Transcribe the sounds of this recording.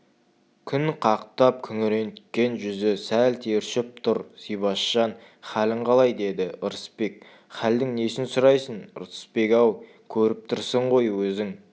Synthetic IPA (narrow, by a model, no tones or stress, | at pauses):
kʲʰʏnqʰɑqt̪ɑp̚kʲʰʏŋɾe̞nt̪kʲe̞nʒʏzɪsælt̪ʰe̞ɾʃɪp̚t̪ʰʊɾsijbɑʃːɑn | χælɪɴqʰɑlˠɑjd̪e̞d̪ɪʔʊɾəspe̞k̚ | χæld̪ɪŋne̞sɪnsʊɾɑjsənʊ̰ɾə̥spe̞kʲɑw | kʲʰɵɾɪp̚t̪ʰʊɾsəɴʁo̞jwɵzɪŋ